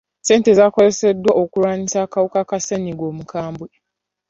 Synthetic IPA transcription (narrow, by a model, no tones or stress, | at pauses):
seːntezakozesedwaʔokuɾaːnisakawukakaseɲiɡwoːmukʰaːmbwe